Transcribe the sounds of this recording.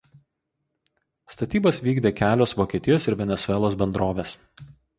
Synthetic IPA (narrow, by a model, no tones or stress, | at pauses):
st̪ɐt̪ʲiːbɐsʋʲiːɡd̪ʲeːkʲæːlʲoːsʋoːkʲeːt̪ʲɪjoːsɪɾʋʲɛnʲɛsʊɛlˠoːs̬bʲɛnd̪ɾoːʋʲeːs